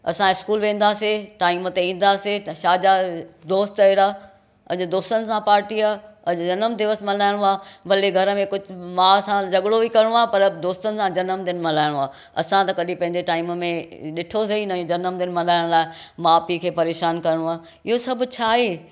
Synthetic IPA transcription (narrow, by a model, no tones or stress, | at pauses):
ɐ̰sãɪskuːlʋẽːn̆d̪aːseʈaːɪmət̪eĩːn̆d̪aːseʃaːd͡ʑad̪oːst̪ɐiɾaː | ɐ̰ʄd̪oːst̪ənɪ̆sãpaːɾʈiaːɐd͡ʑɐnəmd̪ɪʋəsmɐlaːɪɽ̃oaːbɐleɡʱɐɾə̆mẽkʊd͡ʑ̆ʱmãːsãd͡ʑɐɠɽobʱikɐɾɪɽ̃õaːpɐɾd̪oːst̪ənɪ̆sãd͡ʑɐnəmd̪ɪnmɐlaːɪɽ̃õaː | ɐ̰sãt̪ɐkɐɗipɐ̃ɦɪ̃ɲd͡ʑeʈaːɪmmẽɗɪʈʰosɐinɐd͡ʑɐnəmd̪ɪnmɐlaːɪɽ̃laːɪmaːpikʰeːpɐɾeːʃaːnkɐɾɪɽ̃õaː | ɪɦosɐbʱʊ̆t͡ɕʰaːɦeː